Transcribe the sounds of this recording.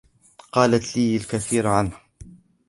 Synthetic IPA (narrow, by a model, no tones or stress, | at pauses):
qɑːlat̪liːalkaθiːɾaʕanh